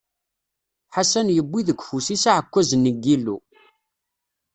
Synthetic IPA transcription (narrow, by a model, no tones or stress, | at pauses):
ħasænjəbːiðəɡʷfusisaʕəkʷːæzənːəɡːilːṵ